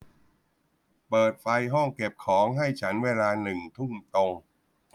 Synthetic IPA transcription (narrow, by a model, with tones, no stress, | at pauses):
pɤː˨˩t̪̚fa˧jɦɔ˥˩ŋke˨˩p̚kʰɔː˩˦ŋɦa˥˩jt͡ɕʰa˦˥nweː˧laː˧nɯ˨˩ŋt̪ʰu˥˩ŋt̪o˧ŋ